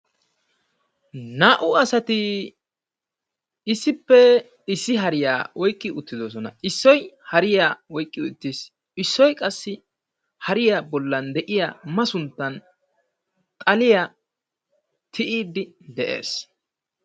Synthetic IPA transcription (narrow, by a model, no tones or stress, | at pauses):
naːʔʊɐsɐt̪ɪ | ɪsːɪpːɛ | ɪsːɪɦɐɾɪja̰ːwɔjkʼːɪʔʊt̪ːɪd̪os̬ɔnɐ̰ʔɪsːɔjhɐɾɪjaːwɔjkʼːɪʊt̪ːis | ɪsːɔjkʼɐsːɪ | hɐɾɪjabɔlːɐnd̪ɛʔɪja̰ːmɐsʊnt̪ːɐn | t̪ʼɐlɪja | t̪ʰɪʔiːd̪ɪ | d̪ɛʔe̞̰ːs